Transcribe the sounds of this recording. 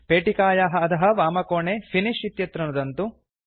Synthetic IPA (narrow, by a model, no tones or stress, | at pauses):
peːʈikaːjaːɦɐɐt̪ʰɐɦɐ̆ʋaːmɐkoːɳeːfʰiniʃit̪jɐt̪ɾɐnɐd̪ɐnt̪u